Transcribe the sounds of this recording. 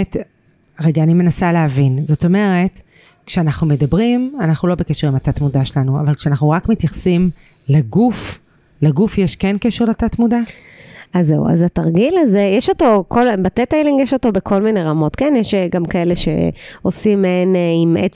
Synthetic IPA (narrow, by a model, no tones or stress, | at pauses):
t | ʁeɡaːnime̞nasaleɦavinzo̞to̞me̞ʁe̞t | kʃeanaχnumedabʁimanaχnulo̞bekeʃeʁimatatmudaʃelanua̰valkʃeanaχnuʁakmet̪jaχsim | leɡuf | leɡufjeʃkenkeʃeʁleatatmuda | azewa̰zataʁɡilazejeʃo̞to̞kʰolbatetejliŋɡjeʃo̞to̞bekʰo̞lmine̞ʁamo̞tkenjɛʃeɡamkae̞le̞ʃe̞̰o̞simeneime